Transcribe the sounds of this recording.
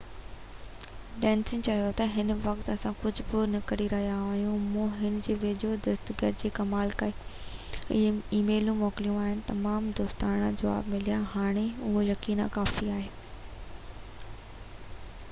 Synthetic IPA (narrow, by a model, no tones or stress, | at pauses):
ɖɛ̃ːnsɪ̃ŋt͡ɕɐjot̪ɐɦɪnʋɐkt̪ɐsãkʊd͡ʑʱʊbɪnɐkɐɾiɾɐɦijaaːɦijũmũɦɪnd͡ʑeːʋeːd͡ʑod̪ɐsd̪ɡəɾd͡ʑeːkɐmaːlɪkaːɦe | ɪiːmeːlũmɔːkɪlijũaːɦɪnɪ̆t̪ɐmaːmd̪oːst̪aːɽ̃ãd͡ʑɐʋa̰ːbmɪlijaɦaːɽ̃eʊɦojɐkiːna̰kaːfiaːɦeː